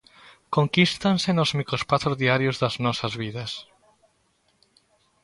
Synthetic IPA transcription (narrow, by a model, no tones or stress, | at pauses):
koŋkist̪ansenozmikɾospaθozðiaɾjozðɐznɔsɐzβiðɐs